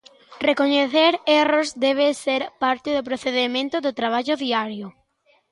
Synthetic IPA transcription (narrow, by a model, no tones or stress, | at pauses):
rekoɲeθeɾerozd̪ɛβ̞eseɾpaɾt̪ɪðʊp̬ɾoθeðemẽnt̪ʊðʊt̪ɾaβ̞aʎʊðiaɾjʊ